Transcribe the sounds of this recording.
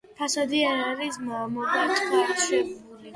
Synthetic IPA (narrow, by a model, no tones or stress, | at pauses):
pʰasɔd̪iaɾaɾismamɔbʼat̪ʼχʼaʃi